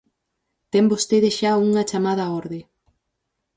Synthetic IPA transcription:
t̪ɛmbost̪eðesʃauŋɐt͡ʃamaðɐɔɾðe

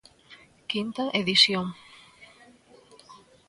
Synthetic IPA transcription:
kint̪ɐʔeðisjoŋ

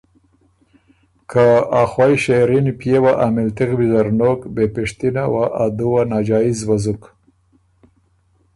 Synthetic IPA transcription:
kʰaaxwajʃeɾinpjewaʔamɪlt̪ikbizaɾnokbepɪʂt̪inawaʔad̪uwanad͡ʒɑizwazuk

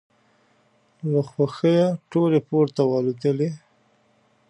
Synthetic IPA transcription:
laxwaxəjaʈolepoɾt̪awɑlud̪əle

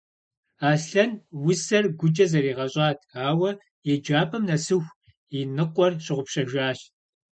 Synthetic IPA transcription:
aːɬɐnwʊsɐrɡʷʊd͡ʒʼɐzɐɾiːʁɐɕʼɑːtʰaːwɐ | jɛd͡ʒaːpʰɐmnɐsɨxʷ | inɨqʷʼɔrɕɪʁʷʊpɕɐʒaːɕ

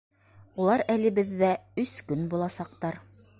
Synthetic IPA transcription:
ulˠɑɾælɘ̆βɘ̆ðːæɵskɵnbulˠɑsɑq̚t̪ɑɾ

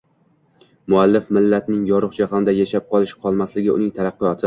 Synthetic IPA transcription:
mʊalːɪfmɪlːat̪nɪŋjɒɾɨχt͡ʃʰahamd̪ajaʃap̚qʰɒlˠɪʃqʰɒlˠmaslɪɡʲɪʊ̰nɪŋt̪ʰaɾɑqːɨjɒt̪ʰɪ

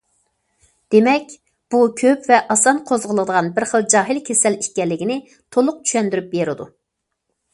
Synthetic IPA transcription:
d̪̥emɛkʲ | b̥ukʲʰøpvɛʔɑsɑnqʰozʁəlˠəd̪əʁɑnbɪɾχəlˠd͡ʒɑːɦɨlkʲʰesɛliʃkʲɛlːɪkʲinɪ | t̪ʰolˠʊq̚t͡ʃʰy̥ʃɛnd̪yɾyp̚beɾɪd̪u

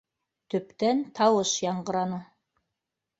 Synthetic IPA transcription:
t̪ɵ̆pt̪ænt̪ʰɑwɤʃjɑɴɢɤ̆ɾɑnɤ

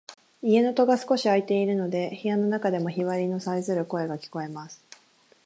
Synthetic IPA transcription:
ie̞no̞t̪o̞ɡasɨ̥ko̞ɕiait̪e̞iɾɯ̟no̞d̪e̞çijano̞nakad̪e̞mo̞çiβaɾʲino̞saizɨɾɯ̟ko̞e̞ɡakʲi̥ko̞e̞masɨ̥

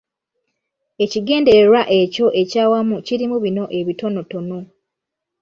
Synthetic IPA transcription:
e̞ciɡe̞ːnde̞ɾeɾwaʔe̞co̞ʔe̞caːwamuciɾimuβino̞ʔe̞βito̞no̞to̞no

